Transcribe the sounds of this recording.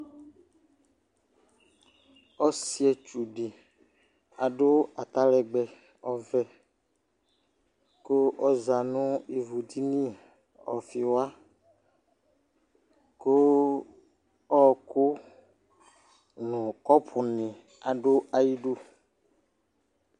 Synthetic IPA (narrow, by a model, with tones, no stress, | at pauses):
ɔ˦si˦ɛ˨t͡ʃu˨ɖe˨ | a˨ɖo˦a˨t̪a˦lɛ˨ɡ͡bɛ˨ | ɔ˨vɛ˦ | ko˦ɔ˦za˨nũ˦i˨vu˨di˦nĩ˦ | ɔ̰˨fi˨wa˦ | ko˦ | ɔ˦˨ko˦ | nũ˨kɔ˦pʰu˨nɪ̃˨ | a˨ɖo˦a˨ji˦ɖo˦